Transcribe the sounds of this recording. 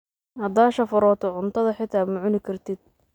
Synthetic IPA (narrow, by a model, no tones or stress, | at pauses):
ɐd̪aːʃɐfʊɾɔːt̪ʰɔʕʊnt̪ʰɐðɐħɪt̪ʰaːmʊʕʊnɪkʰɐrt̪ʰɪd̪̚